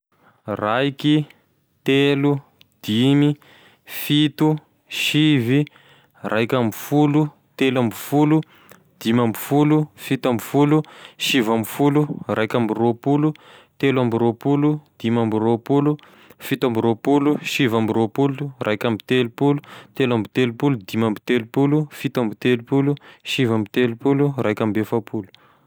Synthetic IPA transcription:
rajki | t̪elu | d̪̥imi | fit̪u | ʃivi | rʔajkʲambifulu | t̪elambifulu | d̪̥imambifulufit̪ambifuluʃivambifulurʔajkambiropulut̪elwambiɾopulud̪̥imambiɾopulu | fit̪ambiɾopuluʃivambiɾopulurajkʲambit̪elupulu̥t̪elambit̪elupulud̪imambit̪elupulufit̪ambit̪elupuluʃivambit̪elupulurajkʲambefapulu̥

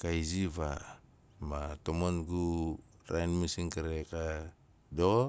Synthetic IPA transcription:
kajziβa | matomonɡu | ɾajnmisiŋkaɾeka | do

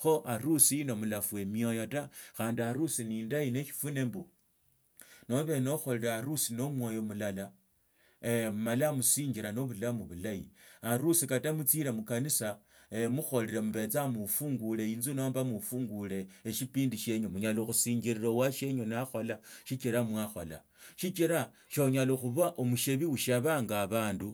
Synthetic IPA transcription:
xo̞ʔaɾusiːno̞mulafue̞miojotaxaːndiaɾusiniːndaine̞ʃi̥fune̞mbu | no̞βe̞noxo̞liɾaɾusino̞mwo̞ːjo̞mulala | malamusiːɲɡiɾano̞βulamuβulaḭaɾusikatamut͡siɾemukanisa | emuxo̞leɾemuβe̞t͡samufuːŋɡuleiːnzuno̞ːmbamufuːŋɡule̞ːʃipiːndiʃe̞ɲomuɲaloxusiːɲɡiɾiɾowaʃe̞ɲonaxo̞laʃit͡ʃiɾamwaxola̰ | ʃit͡ʃiɾa | ʃoɲaloxuβaʔomuʃeβiuʃaβaːŋɡaβaːndu

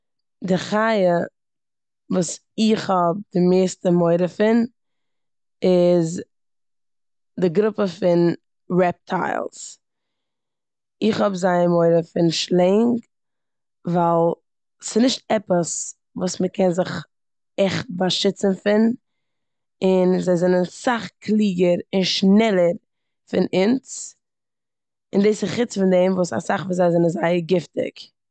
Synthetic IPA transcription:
dɪχajə | vuːs | ɪχhɔb̚dɪmeːstəmɔɪɾəfɪn | ɪz | dɪɡɾʊpəfɪn | ɹɛp̚tʰa̰ɪlˠs | ɪχhɔbzaɪəmɔɪɾəfɪnʃlˠɛŋk | valˠ | sɪnɪʃtɛpəs | vuːsməkɛnzɪχ | ɛχt̚baʃɪt͡sənfɪn | ɪnzaɪzɛnənsaχkʰlˠiːɡəɾɪnʃnɛlˠəɾ | fɪnɪnt͡s | ɪndeːsɪχɪt͡sfɪndɛɪmvuːsa̰saχvuːzaɪzɛnənzaɪəɾɡɪftɪ̰k

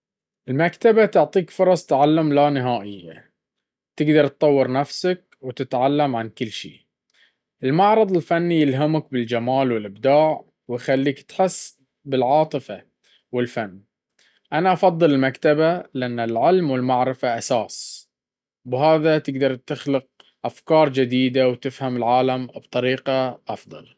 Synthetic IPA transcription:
ʔɪlmakt̪abat̪ʊʕt̪ˤiːkfʊɾˤɑsˤt̪ʕalːamlanɪɦaːʔɪjːa̰ | t̪ɪɡd̪ɑɾˤt̪̚ːˤɑwːɨɾnafsak̚wt̪ɪt̪ʕalːamʕankɪlːʃḭː | ʔɪlmaʕɾˤɑðˤɪlfanːijɪlɦamak̚bɪld͡ʒamaːlwɪlʔɪbd̪aːʕ | wɪjxalːiːkt̪ħɪsː | bɪlʕɑːt̪ˤɨfa | wɪlfanː | ʔanaʔɑfɑðˤːɨlɪlmakt̪abalɪʔanːɪlʕɪlmwɪlmaʕɾɪfaʔasaːs | bɦaːðat̪ɪɡd̪ɑɾˤt̪ɪxlɪq̚ | ʔafkɑːɾˤd͡ʒɪd̪iːd̪awt̪ɪfhamɪlʕaːlamb̥t̪ˤɑɾiːqɑʔɑfðˤɑ̰l

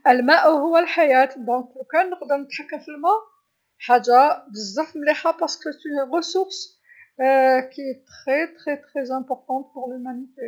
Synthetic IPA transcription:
ʔəlmæʔhʊwːælħajæt̪d̪ɔ̃kəkænːəqd̪əʁnət̪ħakːəmfəlmæʔ | ħadːabəzˤːɑfmliħapɑʁsə̥ket̪ynʁəsuʁs | kiet̪ʁet̪ʁet̪χezæ̃pɔʁt̪ɑ̃t̪̚pʊʁlymænit̪e

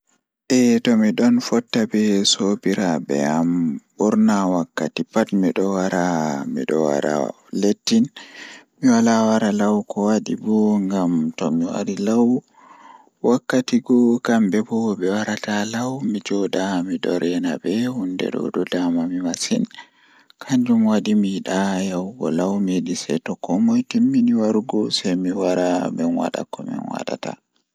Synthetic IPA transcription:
ʔɛtɔmiɗɔnfɔtːabɛsobiɾabɛ̰ambuɾnawakːatipatmiɗɔwaɾamḭɗɔ̰wa̰ɾa̰ | letːinmiwalawaɾalawkɔwaɗibɔŋɡamtɔmiwa̰ɾilaw | wakːatiɡɔkambɛbɔbɛwaɾatalawmid͡ʒɔdamidɔɾɛna̰bɛhundɛ̰ɗɔ̰dɔdamamimasḭn | kʰaɲd͡ʒumwaɗimiɗajawɡɔ̰lawmedisɛtɔkɔmɔjtimːiniwaɾuɡɔsajmiwaɾamɛnwa̰ɗa̰kɔmɛ̰nwa̰ɗa̰ta̰

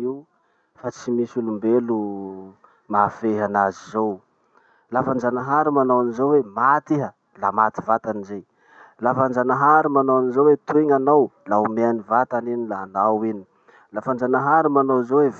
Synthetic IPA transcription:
i | fat͡simisulumbelu | mafeɦanazizow | lafand͡ʒanaɦaɾimanawanizowemat̪iɦə | lamat̪i̥vat̪anizej | lafand͡ʒanaɦaɾimanawanizowet̪ueŋanawlaumeanivat̪aninilaːnawini̥ | lafand͡ʒanaɦaɾumanowzowev

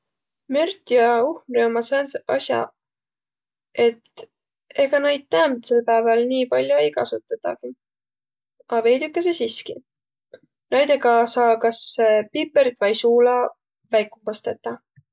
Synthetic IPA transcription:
mørt̪jɑuhmremɑsensɑsjɑ̰ | e̞t̪ | e̞ɡ̥ɑnɑjd̪̥̚t̪æːmt̪selpæevɑlniːpɑlʲjoe̞jkɑsut̪ːˑɑt̪ːɑ̰ki | ɑve̞jd̪ukːˑes̬esiski | nɑjd̪eɡɑsɑːkɑsːepipːˑert̪vɑjsuːlɑ | væjkːˑupɑst̪e̞t̪ːˑɑ

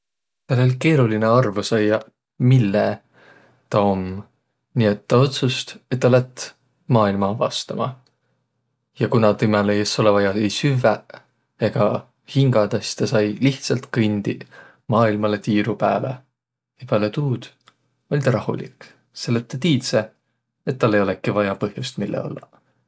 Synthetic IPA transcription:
t̪ɑlelʲke̞ːɾulineɑrvusɑjɑ | milːe | t̪ɑo̞m | niet̪ːɑo̞t̪sust̪e̞t̪ːɑlæt̪ː | mɑːilmɑvɑ̰st̪ɑmɑ̰ | jɑkunɑt̪imelejeso̞levɑjɑejsyvæ | eɡ̥ɑ | hiŋɡ̥ɑd̪ɑsi̥t̪ɑsɑjliht̪sɑlt̪kɯnʲd̪̥i | mɑːilmɑlet̪iːɾupæːlḛ | epælet̪uːd̪̥ | o̞lʲt̪ɑɾɑhṵlḭk | se̞lːep̚t̪et̪iːt̪se | et̪ːɑlːe̞jo̞lekːˑivɑjɑpɤhjust̪milːḛo̰lːɑ̰

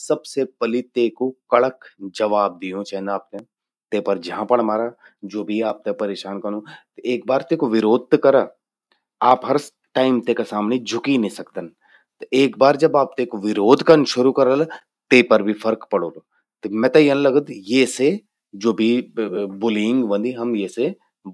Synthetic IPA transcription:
sɐbsepɐlit̪eːkokɐɭəkd͡ʒɐʋaːb̚d̪ijũt͡ʃɛnaːp̚t̪e | t̪eːpɐɾd͡ʒɐɦãpɐɽmaːɾaː | d͡ʒoːbʱiaːp̚t̪ẽpɐɾeːʃaːnkɐnũt̪eːk̚baːɾt̪eːkoʋɪɾoːd̪̚t̪kɐɾa | aːpɦɐɾ | ʈaːɪmt̪ekasaːmned͡ʒʱʊkinẽsɐk̚t̪ən | t̪eːkbaːɾd͡ʒɐbaːp̚t̪eːkoʋɪɾoːd̪ʱkɐnʃʊɾukɐɾəl | t̪eːpɐɾbʱifʰɐɾkpɐɽoːlo | t̪mɛ̃ːt̪ɐjɐnlɐɡəd̪jeːse | d͡ʒoːbʱibʊlɪ̃ŋɡbə̃nd̪iɦɐmjese

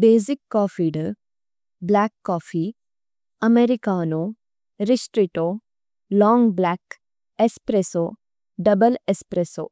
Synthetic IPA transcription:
beːzikːɔːfiɖ | blaːkːɔːfi | ɐmeɾikaːno | ɾisʈɾiʈoː | lɔːŋɡblaːk | espɾeso | ɖɐbəlespɾeso̰ː

